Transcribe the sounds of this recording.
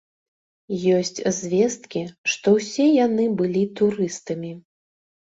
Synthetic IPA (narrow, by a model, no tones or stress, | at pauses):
jɔsʲt͡sʲzʲvʲɛst̪kʲiʂt̪ɔwsʲɛjanɨbɨlʲit̪uɾɨst̪ɐmʲi